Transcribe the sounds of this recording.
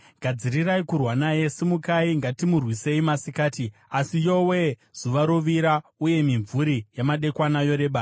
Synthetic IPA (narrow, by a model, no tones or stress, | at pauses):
ɡʱad͡ziriraikurwanaje̞simukaiŋɡatimurwise̞imasikaːtiasijo̞we̞z̥uʋaɾoʋiɾauje̞miɱvuɾijamaɗe̞kwanajo̞ɾe̞ːɓa